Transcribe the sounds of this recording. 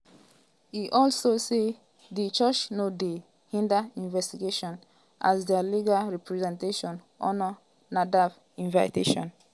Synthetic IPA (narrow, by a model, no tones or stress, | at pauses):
hiʔɔlsose | dit͡ʃət͡ʃnode | hĩndaĩnvɛstiɡeʃɔ̃n | ʔa̰zdɛliɡalɹɛpɹɛzɛ̃nteʃɔ̃n | ʔɔ̰nɔ | nadav | ĩnvaɪteʃɔ̰̃n